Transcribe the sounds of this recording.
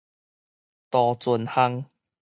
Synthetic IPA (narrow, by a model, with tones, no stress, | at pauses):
t̪ɔ˨˩t͡sʊ˨˩nha˦˥ŋ